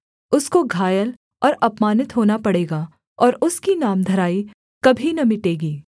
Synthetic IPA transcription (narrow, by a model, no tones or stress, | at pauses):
ʊskoɡʱaːjəl | ɔːɾɐpmaːnɪt̪ɦoːnapɐɽeːɡaː | ɔːɾʊskinaːmd̪ʱɐɾaːi | kɐbʱinɐmɪʈeːɡiː